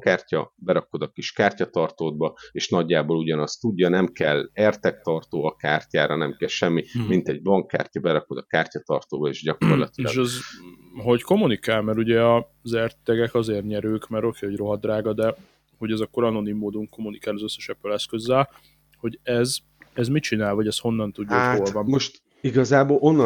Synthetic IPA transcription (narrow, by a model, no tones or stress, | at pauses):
kaːrcɒ̰bɛɾɒkod̪ɒkiʃkaːrcɒt̪ɒrt̪oːd̪̚bɒeːʃnɒɟːaːboːluɟɒnɒst̪uɟːɒnɛmkɛlɛrt̪ɛkt̪ɒrt̪oːɒkaːrcaːɾɒnɛmkɛlʃɛmːimint̪ɛɟ̚bɒŋkːa̰ːrcɒbɛɾɒko̞d̪ɒkaːrcɒt̪ɒrt̪oːbɒeːʒɟɒkorlɒ̰t̪ilɒɡʃɛzɦo̞cko̞munikaːlmɛɾuɟɛɒ | zɛrtt̪ɛɡɛkɒzeːrɲɛɾøːkmɛɾokeːhoro̞ɦɒd̪raːɡɒd̪ɛ | ho̞ɟɛzɒkːoɾɒno̞nimːoːd̪uŋko̞mːunikaːlɒzøsːɛ̥ʃɛbːølɛskøzːɛl | ho̞ɟɛz | ɛzmit͡ʃinaːlvɒɟɛst̪ho̞nːɒnt̪uɟːaolvɒmmo̞ʃt̪ | iɡɒzaːbolʔo̞nːɒ